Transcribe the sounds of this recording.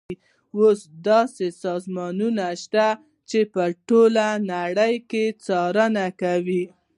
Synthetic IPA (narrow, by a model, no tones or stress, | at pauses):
osd̪ɑsesɑzmɑnunaʃt̪a | t͡ʃepəʈolanaɽəjket͡sɑɾənakawi